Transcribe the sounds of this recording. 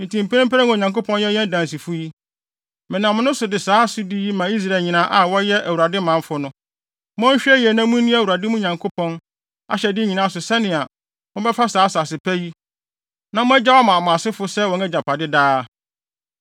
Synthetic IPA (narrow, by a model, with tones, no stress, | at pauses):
n̩˨tʰĩ˨m˨pʰe˦ĩ˦pʰɾã˦ŋʊ̃˨ɲã˨ŋko˦pʰɔ̃˦njɛ˦jɛ̃˦n˦dã˨n˨s̬i˨fʊ˦ji˦ | mɪ̃˨nã˨m̃˦nʊ̃˦sʊ˨dɪ˨saː˨˦sʊ˦di˦ji˦mã˨i˦s̬ɾa˨ɲĩ˨nã˦ʔa˨wɔ˦jɛ˦ʔæ˨wu˨ɾa˨dɪ˦mã˨˦fʊ˦nʊ̃˦ | mʊ̃˦ɲ̩˦ɕᶣɛ˦jɛ˨nã˦mũ˦nĩ˦æ˨wu˨ɾa˨dɪ˦mũ˦ɲã˨ŋkʰo˦pʰɔ̃˦n | a̰˨ɕɛ˨dɪ˦ɲĩ˨nãː˦sʊ˨sɛ˦nɪ̃˨a˨ | mʊ̃˦bɛ˦fa˦saː˨˦sa˨sɪ˨pʰæ˦ji˦ | nã˨mʊ̃˦æ˦d͡ʑa˦wa˦mã˨mʊ̃˨a˨sɪ˦fʊ˦sɛ˦wɔ̃˨nɛ˦d͡ʑa˨pʰa˨dɪ˦daː˦